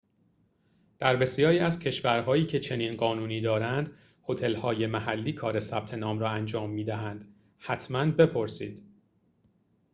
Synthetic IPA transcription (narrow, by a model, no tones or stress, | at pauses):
d̪̥æɾbe̞sjɒːɾiːæzcʰe̞ʃvæɾɦɒːiːcʰe̞t͡ʃʰe̞niːnɢɒːnuːniːd̪ɒːɾænd̪ | ho̞t̪ʰe̞lhɒːje̞mæɦælːiːkʰɒːɾe̞sæb̥t̪ʰe̞nɒːmɾɒːænd͡ʒɒːmːiːd̪æɦænd̪̥ | hæt̪ʰmænbe̞pʰo̞ɾsiːd̪̥